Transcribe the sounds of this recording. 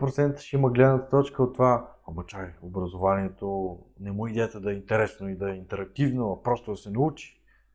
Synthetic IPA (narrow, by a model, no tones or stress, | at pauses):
pɾot̪sɛnt̪ə̥ʃɛiməɡlɛd̪nət̪ə̥t̪ɔt͡ʃkəot̪ːovaɐmɐt͡ʃajobɾɐzovaniɛt̪onɛmuid̪ʲɛt̪ɛd̪ɐɛint̪ɛɾɛsnoid̪ɐɛint̪ɛɾɐk̚t̪ivnoɐpɾɔst̪od̪ɐsɛnɐut͡ʃi̥